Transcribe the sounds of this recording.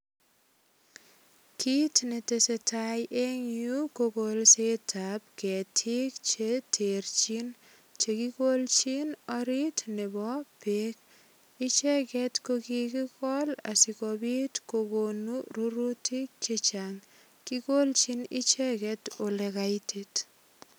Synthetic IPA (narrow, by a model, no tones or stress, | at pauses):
kʰitnetesetʰajʔeŋukokolsetʰap̚kɛtʰik̚t͡ʃetʰeɾt͡ʃin | t͡ʃekikolt͡ʃinɔɾitnebɔpek̚ | it͡ʃɛkɛtkokikikɔla̰sikɔbitkokonuɾuɾutik̚t͡ʃet͡ʃaŋ | kikolt͡ʃinḭt͡ʃɛkɛtolekaitʰit